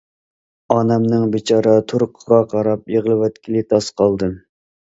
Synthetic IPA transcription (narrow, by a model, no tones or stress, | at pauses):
ɑnɛmnɨŋbet͡ʃʰɑːɾɑt̪ʰuɾqʰːʊɾɑqɑɾɑpjeʁəlˠɨwɛt̪kʲʰilɪt̪ʰɑsqʰɑlˠd̪ɨ